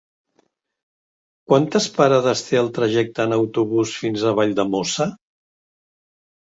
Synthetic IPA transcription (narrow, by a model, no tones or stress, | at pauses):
kwant̪əspəɾaðəst̪eəlˠt̪ɾəʒɛk̚t̪əːnəwt̪uβusfinzəβ̞aʎd̪əmosə